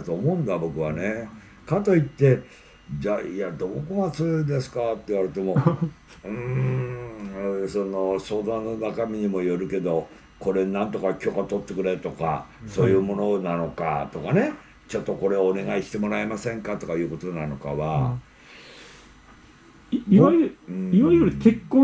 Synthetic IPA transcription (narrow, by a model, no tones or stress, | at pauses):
t̪o̞ːmo̞ɯ̃nd̪abo̞kɯ̟βane̞ | kat̪o̞it̪ːe̞ | d͡ʑaiad̪o̞ːko̞ɡat͡sɨjo̞id̪e̞sɨ̥kat̪ːeiβaɾɯ̟t̪e̞mo̞ | ɯ̃ | so̞no̞so̞ːd̪ãnːo̞nakamʲiɲ̟imo̞jo̞ɾɯ̟ke̞d̪o̞ | ko̞ɾe̞nãnt̪o̞kakʲo̞ːkat̪o̞t̪ːe̞kɯ̟ɾe̞t̪o̞ka̰so̞ːjɯːmo̞no̞nano̞ka̰t̪o̞kane̞ | t͡ɕo̞t̪ːo̞ko̞ɾe̞oːne̞ɡaiɕi̥t̪e̞mo̞ɾaemasẽ̞ŋkat̪o̞kajɯ̟ːko̞t̪o̞nano̞ka̰βa | iãiβaioɾɯk̪ekːo